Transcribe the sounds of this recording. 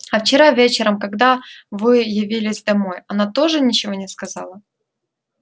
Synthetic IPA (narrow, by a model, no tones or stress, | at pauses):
ɐft͡ɕɪɾavʲet͡ɕɪɾəmkɐɡd̪avɨjɪvʲilʲɪzʲd̪ɐmo̞jɐnat̪o̞ʐɨnʲɪt͡ɕɪvo̞nʲɪskɐzɑ̰lˠə